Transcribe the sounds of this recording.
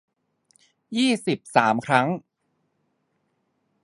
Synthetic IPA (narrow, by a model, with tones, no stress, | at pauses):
jiː˥˩si˨˩p̚saː˩˦mkʰɾa˦˥ŋ